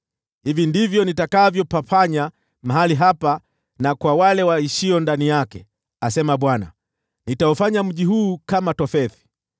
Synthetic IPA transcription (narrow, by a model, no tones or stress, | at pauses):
hivindivjɔnitakavjɔpafaɲa | maɦaliɦapa | nakwawalɛwaiʃiɔndanijakɛ | asɛmaɓwana̰ | nitaɔfaɲam̩ʄiɦuːkamatɔfɛθi̥